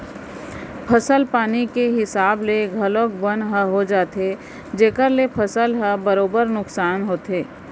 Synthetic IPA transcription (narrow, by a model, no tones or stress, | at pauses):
pʰəsəlpaːnikeɦɪsaːbleɡʱɐlokbənɦəɦod͡ʒaːt̪e | d͡ʒeːkəɾlepʰəsəlɦəbəɾoːbəɾnʊksaːnɦoːt̪eː